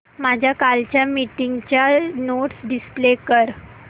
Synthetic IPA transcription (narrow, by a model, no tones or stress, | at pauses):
mad͡ʑʱjakalt͡ɕjamiʈiŋɡt͡ɕjanoʈsɖisplekəɾ